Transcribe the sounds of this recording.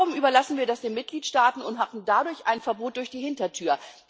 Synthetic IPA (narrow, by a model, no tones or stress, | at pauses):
ʊmʔyːbɐlasn̩viːɐdasd̥eːnmɪt̚ɡ̥liːtʃtaːtn̩ʊnthaːbm̩dadʊɐçʔa̰ɪnfɛɐboːt̚d̥ʊɐçd̥iːhɪntɐtʰyːɐ